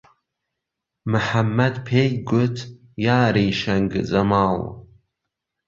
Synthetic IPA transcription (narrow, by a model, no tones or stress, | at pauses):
mɨħamːɐd̪pʰejɡʷʊt̪ʰ | jaːɾijʃɐŋɡzɐmaːl